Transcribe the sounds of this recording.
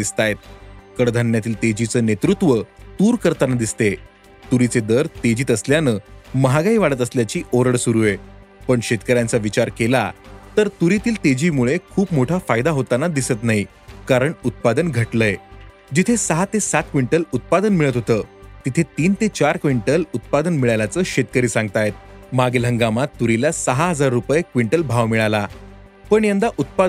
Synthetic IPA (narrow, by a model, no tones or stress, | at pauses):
ist̪ajet̪̚kəɽd̪ʱanjat̪iːlt̪ed͡ʑit͡səːnet̪ɾut̪ʋət̪uːɾkəɾt̪anad̪ist̪e | t̪uɾit͡sed̪əɾt̪ed͡ʑiːt̪əsljanəːməɦaɡaiʋaɽət̪əsljat͡ɕiːʔoɾəɽsuɾue | pəɳɕet̪kəɾjãnt͡saʋit͡ɕaɾkela̰t̪əɾt̪uɾit̪iːlt̪ed͡ʑiːmuɭekʰuːpmoʈʰafajd̪aɦot̪anad̪isət̪naɦi | kaɾəɳut̪̚pad̪ənɡʱəʈləje | d͡ʑit̪ʰesəɦat̪esat̪̚kʋiɳʈəlut̪̚pad̪ənmiɭət̪ɦot̪əːt̪it̪ʰet̪iːnt̪et͡ɕaɾkʋiɳʈəlut̪̚pad̪ənmiɭalat͡səːɕet̪kəɾiːsãŋɡ̚t̪ajt̪̚maɡelɦəŋɡamat̪ːuɾilasəɦaɦəd͡zaɾːupəjekʋiɳʈəlbʱaʋmiɭala | pəɳjand̪aʔut̪̚pa